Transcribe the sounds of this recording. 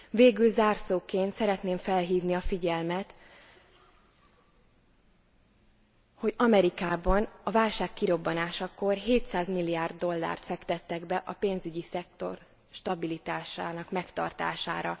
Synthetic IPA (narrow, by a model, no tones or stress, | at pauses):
veːɡylzaːrsoːkeːnt̪sɛɾɛt̪neːɱfɛlɦiːvniɒfiɟɛlmɛt̪ | ho̞ɟɒmɛɾikaːbɒnɒvaːlʃaːkːiɾo̞bːɒnaːʃɒko̞rɦeːt̪saːzmilːijaːrd̪ːo̞lːa̰ːrt̪fɛkt̪ɛt̪ːɛɡbɛʔɒpeːnzyɟisɛk̚t̪o̞̰r | ʃt̪ɒbilit̪aːʃaːnɒkmɛkt̪ɒ̰rt̪a̰ːʃa̰ːɾɒ